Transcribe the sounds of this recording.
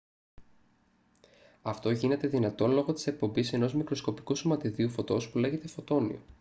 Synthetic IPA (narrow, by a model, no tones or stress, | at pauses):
ɐft̪o̞ʝine̞t̪e̞ðinɐt̪o̞nlo̞ɣo̞t̪i̥se̞k̚po̞mbise̞no̞zmikɾo̞sko̞pi̥kusomɐt̪iðiufo̞t̪o̞spule̞ʝe̞t̪e̞fo̞t̪o̞nḭo̰